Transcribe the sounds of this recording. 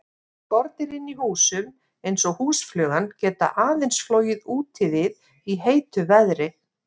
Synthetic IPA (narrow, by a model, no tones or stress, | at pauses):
pɔɾt̪nɪɾɪnːihuːsʏm | ejnsɔɣhuːsflœːɣancɛːt̪a̰ʔaːðejnsfloːwjɪðuːt̪ʰɪðɪð | iɦeːjt̪ʏvɛðɾɪ